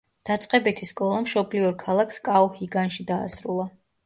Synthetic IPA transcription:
d̪̥at̪sʼqʼɛbɛt̪ʰiskʼɔlˠamʃɔbliɔɾkʰalˠakskʼaɔhiɡanʃid̪a̰ːsɾulˠa

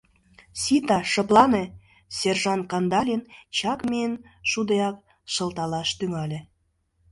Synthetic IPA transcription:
sit̪ɑʃə̆plˠɑne | serʒɑnkɑnd̪ɑlʲint͡ɕɑkmeən | ʃud̪eɑk | ʃə̆lt̪ɑlɑʃt̪yŋɑlʲe

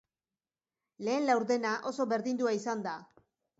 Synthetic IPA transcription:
le̞ːnlawɾðe̞naʔo̞so̞βe̞ɾðind̪uaisand̪a

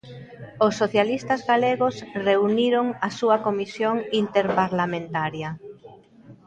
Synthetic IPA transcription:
osːoθjalist̪azɣaleɣosreuniɾoŋasuɐkomisjoŋint̪eɾpaɾlamẽnt̪aɾja

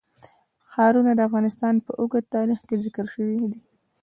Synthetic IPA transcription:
xɑɾunad̪əafɣɑnɪst̪ɑnpəʔuɡət̪ːɑɾixkezɪkəɾʃəwid̪i

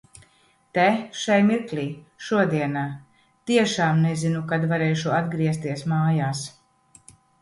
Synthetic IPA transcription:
t̪ɛʃajmiɾklʲiːʃuɔd̪iɛnaː | t̪iɛʃaːmnezinukad̪vaɾɛːʃuad̪ɡɾiɛst̪iɛsmaːjaːs

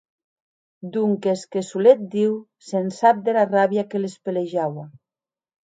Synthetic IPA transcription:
d̪uŋkeskesulet̪̚d̪iw | sensap̚d̪elaraβjakelespeleʒawa

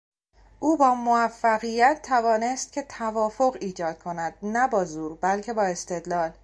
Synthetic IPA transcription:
ʔuːbɒːmoæfːæɣijæt̪ʰːævɒːne̞st̪̚cʰe̞t̪ʰævɒːfo̞ɣiːd͡ʒɒːd̪̥̚kʰo̞næd̪̥̚næbɒːzuːɾbælcʰe̞bɒːe̞st̪e̞d̪lɒːl

